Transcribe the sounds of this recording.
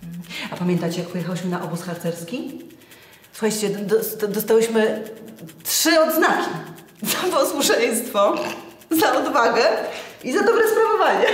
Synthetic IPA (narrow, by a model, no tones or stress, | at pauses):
m̩apamʲjɛnt̪at͡ɕɛjak̚pɔjɛxawɘɕmɘnaʔɔbusxaɾt̪sɛɾskʲi | su̥xajt͡ɕt͡ɕɛd̪t̪d̪ɔst̪awɘɕmɘ | tʂɘɔd̪znakʲi | zapɔswuʂɛj̃st̪fɔ | zaʔɔd̪vaɡɛizad̪ɔbɾɛspɾavɔvaɲɛ